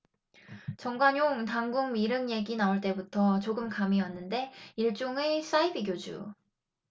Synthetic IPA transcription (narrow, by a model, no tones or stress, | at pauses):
t͡ɕʌŋɡwaɲoŋtaŋɡuŋmiɾɯŋje̞ɡinauɭt͈e̞butʰʌt͡ɕoɡɯmkamiwanːɯnde̞iɭt͡ɕ͈oŋes͈aibiɡjod͡ʑṵ